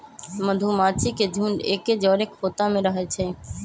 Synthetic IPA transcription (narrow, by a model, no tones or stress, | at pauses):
məd̪ʱumaːt͡ʃʰiked͡ʒʱuːneːked͡ʒɔːɾekfoːt̪amẽɾəɦet͡ʃʰeː